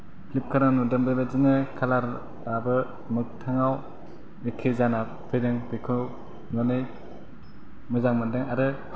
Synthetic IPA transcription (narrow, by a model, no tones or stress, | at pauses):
pʰlip̚kʰaɾanudɯmbɯbazɯnɯkʰalaɾ | abɯ | mɯk̚tʰaŋaw | ikʰezana | pʰɯjdɯŋpikʰɯ | nɔnɯj | mɯzaŋmɯndɯŋaɾɯ